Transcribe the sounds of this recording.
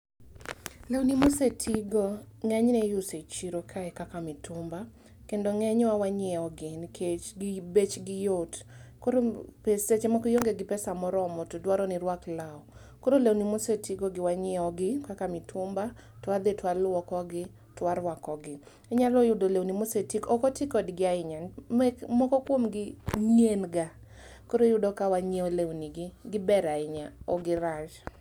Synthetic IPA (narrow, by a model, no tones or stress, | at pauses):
lewnimosetʰiɡoŋɛɲnɛjʊset͡ʃiɾokʰaɛkakamɪtʊmba | kendoŋɛɲwawaɲɛɔɡɪnikʰet͡ʃɡɪbet͡ʃɡɪjotkoɾopeset͡ʃemɔkojoŋɡeɡɪpɛsamɔɾɔmɔtodwaɾɔnɪɾwaklaɔ | koɾolewnimosetiɡoɡɪwaɲɛɔɡɪkakamitʰʊmba | twad̪etwalwɔkɔɡɪ | twaɾwakɔɡɪ | ɛɲalɔjʊdolewnimosetikɔkɔtikɔdɡɪaɪɲamɛmɔkɔkwomɡɪɲenɡa | koɾojʊdɔkawaɲeɔlewniɡɪɡɪbɛɾaɪɲaɔɡɪɾaʃ